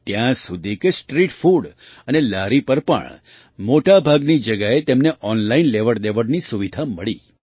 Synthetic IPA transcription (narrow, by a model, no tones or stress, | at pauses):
t̪jãsud̪ʱikesʈɾiʈfuɽənelaɾipəɾpə̰ɳ | moʈabʱaɡnid͡ʒəɡaet̪emneʔɔnlainleʋəɾd̪eʋəɾnisuʋid̪ʱaməɭḭ